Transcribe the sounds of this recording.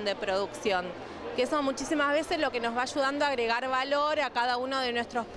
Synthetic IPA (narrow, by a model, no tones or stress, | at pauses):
nd̪e̞pɾo̞ðuksjo̞ŋ | kesomut͡ʃisimazβ̞e̞sezlo̞ke̞nozβaːʒuð̞and̪oaɣɾe̞ɣaɾβalo̞ɾakaðauno̞ðe̞nwest̪ɾo̞sp